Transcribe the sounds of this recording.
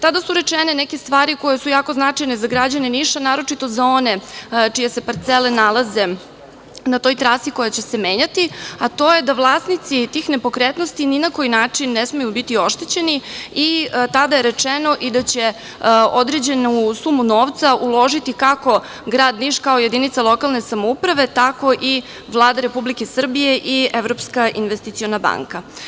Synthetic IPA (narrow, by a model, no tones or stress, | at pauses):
t̪ad̪asuɾet͡ʂenenɛkest̪ʋaːɾiko̞jesujaːko̞znat͡ʂajnezaɡɾad͡ʑaneniʃanaːɾo̞t͡ʂit̪o̞zao̞net͡ʂijese̞paɾt̪sele̞nalˠaze̞ | nat̪o̞jt̪ɾasiko̞jat͡ɕe̞se̞meːɲat̪iat̪o̞je̞d̪aʋlˠaːsnit̪sit̪iːxne̞po̞kɾet̪nost̪ininako̞jinaːt͡ʂinːesmejubit̪io̞ʃt̪et͡ɕe̞niit̪ad̪aje̞ɾe̞t͡ʂeno̞ʔid̪at͡ɕe̞ | o̞d̪ɾe̞d͡ʑe̞nusumuno̞ːʋt̪saʔulˠo̞ʒit̪ikako̞ | ɡɾaːd̪niʃkaoje̞d̪init̪salˠo̞kalˠne̞samoupɾaʋe̞t̪ako̞ʔi | ʋlˠaːd̪aɾe̞publike̞sr̩bije̞ʔieʋɾo̞pskaʔinʋest̪it̪sio̞naba̰ŋka